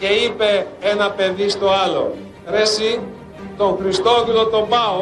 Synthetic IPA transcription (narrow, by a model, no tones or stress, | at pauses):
ce̞ipe̞enɐpe̞ðist̪o̞ɐlo̞̰ | ɾesi | t̪o̞ŋxɾist̪o̞ðilo̞t̪o̞bɐo